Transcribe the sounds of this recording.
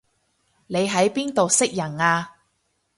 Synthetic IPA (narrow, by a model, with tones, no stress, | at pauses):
ne˨˧jɦɐ˨˥jpiː˥nt̪o˨wsɪ˥k̚jɐ˨˩naː˧